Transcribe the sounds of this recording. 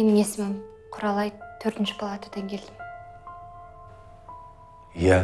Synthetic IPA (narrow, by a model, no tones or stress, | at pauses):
enjesɪmɪn | qʰʊɾɑlˠɑjt̪ʰɵɾt̪ɪnʃɪ̥pʰɑlˠɑt̪ʰə̥d̪ɑŋkʲʰe̞ld̪ɪm | jæ